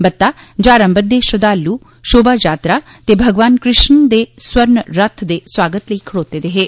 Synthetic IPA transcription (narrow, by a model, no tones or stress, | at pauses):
bət̪ːaːd͡ʒaːɾə̃mbəd̪eːʃəd̪aːlːuː | ʃoːbaːd͡ʒaːt̪ɾaː | t̪eːbʱəɡʋaːnkɾɪʃnd̪eːswəɾɳɾət̪ʰd̪eːswaːɡət̪ləiːkʰəɽoːt̪eːd̪eːɦeː